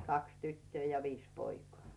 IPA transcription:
kɑks tytːøː jɑ ʋiːs poikŏɑˑ

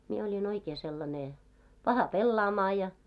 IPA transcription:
mie olʲin oikeː selːɑne pɑhɑ pelːɑːmɑː jɑ

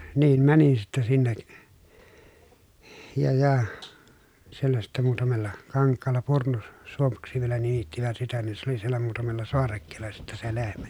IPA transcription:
niːm mænin sitːɛ sinːek jɑ jɑ sielːæ sitːe muːtɑmelːɑ kɑŋkːɑːlːɑ purnu suomuksi ʋielæ nimitːiʋæt sitæ nin se oli sielːæ muːtɑmelːɑ soɑrekːeːlːɑ sitːe se lehmæ

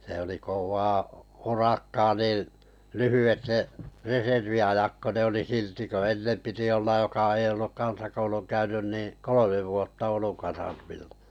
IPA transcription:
sĕ oli koʋˑɑː urɑkːɑː niː lyhyʋet ne reserʋiɑjɑk ko ne oli silti ko enːem piti olːɑj jokɑ ei olːuk kɑnsɑkouluŋ kæynyn niˑ kolomeʋ ʋuotːɑ ouluŋ kɑsɑrmilːɑ̥

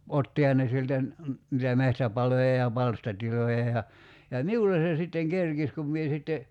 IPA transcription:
otːihɑ ne sieltæ n nitæ mehtæpɑlojɑ jɑ pɑlstɑtilojɑ jɑ jɑ miulːe se sitːeŋ kerkis kum mie sitːe

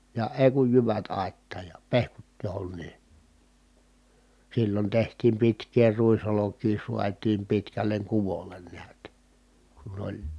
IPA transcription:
jɑ eˑi̯ kuj jyʋæt ɑˑi̯tːɑːj jɑ pehkut johonˑiː silːon tehtiːm pitkˑeː ruisolokˑiː suɑtˑiːm pitkælˑeŋ kuʋolˑen niæt kun olʲ

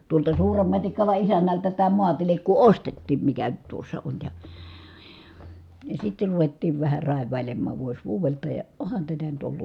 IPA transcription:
tuoltɑ suːrem mɑtikːɑlɑ isænːæltæ tæː muɑtilikːu ostetːiːm mikæ nyt tuosːɑ on jɑ jɑ sitːer ruʋetːiːʋ ʋæhæ rɑˑeʋˑɑˑi̯lemːɑːʋ ʋuos ʋuːʋeltɑ jɑ ohɑn tætæ nyt olːunːɑ

